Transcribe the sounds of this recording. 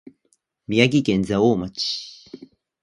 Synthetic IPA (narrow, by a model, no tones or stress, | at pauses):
mijak̬ikenzaomat͡ʃi̥